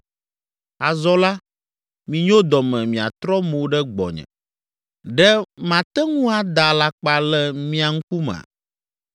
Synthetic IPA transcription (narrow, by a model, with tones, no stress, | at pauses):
a˨zɔ˦la˦ | mĩ˨ɲõ˦d̪ɔ˨mɛ̃˨mĩ˨a̰˨t̪ɾɔ˦mo˨˦ɖɛ˦ɡ͡bɔ̰˨ɲɛ̰̃˨ | ɖɛ˦mã˨t̪ɛ˦ŋũ˦a˨d̪a˨la˦k͡pa˦lɛ˦mĩ˦a˨ŋ̩˦ku˦m̰̃˨a̰˨